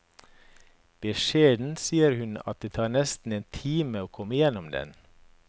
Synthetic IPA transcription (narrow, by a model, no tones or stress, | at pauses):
b̥əʃeːd̪n̩siːəɾhʉnɑ̰t̪̚d̪eːt̪ʰɑːɾnɛst̪n̩eːnt̪ʰiːməoːkʰɔməɪjɛnɔmd̪ɛ̰n